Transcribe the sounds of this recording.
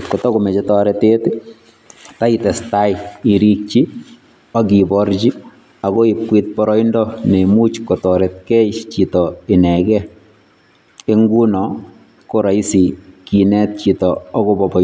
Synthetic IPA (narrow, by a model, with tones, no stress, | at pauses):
ko˨tɔ˦komɛ˨t͡ʃetɔ˦ɾɛte˦t | ta˦itɛ˨sta˦ji˨ɾi˦k̚t͡ʃi˦ | a˦ɡi˨bɔrt͡ʃi˦ | a˨ɣo˦ip̚kwit̚pɔɾɔ˦indɔ˦ne˨mu˦t͡ʃkɔ˨tɔ˨ɾɛt̪̚kɛ˦jt͡ʃitɔinɛ˨ɡɛ˦ | e˦ŋɡu˦nɔ | ko˦ɾa˨i˦si˨ki˨nɛ˦t̚t͡ʃi˨tɔɔ˦ɣobɔ˨bɔ˨